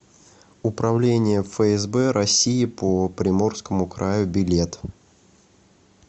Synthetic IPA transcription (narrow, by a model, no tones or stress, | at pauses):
ʊpɾɐvlʲenʲɪjəfəɛzbɛɾɐsʲiɪpəpɾʲɪmo̞rskəmʊkɾajʊbʲɪlʲe̞t̪